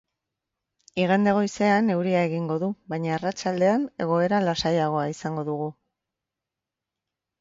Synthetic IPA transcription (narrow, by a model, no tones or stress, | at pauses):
iɣ̞end̪e̞ɣ̞o̞jse̞ane̞wɾiae̞ɣiŋɡo̞ðuβajɲaːrat͡ʃald̪e̞ane̞ɣ̞o̞e̞ɾalasajaɣ̞o̞aisaŋɡo̞ðuɣu